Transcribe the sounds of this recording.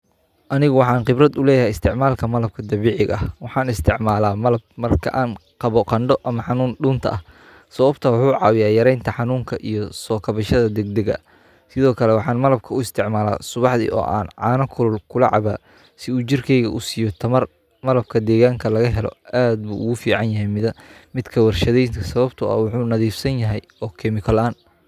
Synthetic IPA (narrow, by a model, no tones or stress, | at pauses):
ʔɐnɪɣʊwɑħɑːnqɪbrɐd̪ʊlɛːjɐɦɛjɪst̪ʰɪʕmaːlkʰɐmɐlɐb̚kʰɐd̪ɐβiːʕɪɣɐhwɑħɑːnɪst̪ʰɪʕmaːlaːmɐlɐb̚mɐrkʰɐ̰ʔaːnqɑβɔqɑɳɖɔʔɐmɐħɑnuːnɖuːnt̪ʰɐ̰ʔɐh | sɐβɐbt̪ʰɐwʊħuːʕɑːwɪjaːjɐɾɛjnt̪ʰɐħɑnuːŋkʰɐʔijɞsɔːkʰɐβɐʃɐðɐd̪ɛɡ̚d̪ɛɣɐ̰ | sɪðɔːkʰɐlɛwɑħɑːnmɐlɐb̚kʰɐʊɪst̪ʰɪʕmaːla̰ːsʊβɑħðḭːʔɔ̰ːʔa̰ːnʕɑːnɐkʰʊlʊlkʰʊlɐ̰ʕɑ̰βaː | sɪuːt͡ʃɪrkʰɛjɣɐʔʊsiːjɔt̪ʰɐmɐr | mɐlɐb̚kʰɐd̪ɛːɣaːŋkʰɐlɐɣɐɦɛlɔ̰aːd̪̚bṵːʔʊɣʊfiːʕɑnjɐɦɛjmɪðɐmɪd̪kʰɐwɐrʃɐðɛjnkʰɐsɐβɐbt̪ʰʊɐ̰wʊħuːnɐðiːfsɐnjɐɦɛjɔːkʰɛmɪkʰɔlaːn